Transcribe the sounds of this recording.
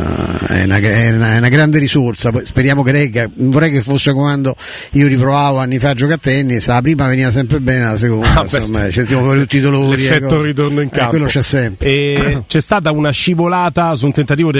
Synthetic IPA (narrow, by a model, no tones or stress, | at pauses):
ɛ̰na̰ɡɛnaɛnaɡɾand̪eɾisort̪sapɔjspeɾjaːmokeɾɛɡavoɾːɛjkefosːekand̪o | iːoɾipɾovaːvoanːifad͡ʒːɔkat̪ːɛnːisalapɾiːmaveniːvas̬ɛmpɾebɛːnealas̬ekond̪asomːaisent̪imofɔɾit̪ut̪ːid̪oloːleɾifɛk̪ːorit̪̬ornoiŋkakwelːot͡ʃɛsːɛmpɾet͡ʃɛst̪aːt̪̬aunaʃivolaːt̪asunt̪ent̪at̪̬iːvod̪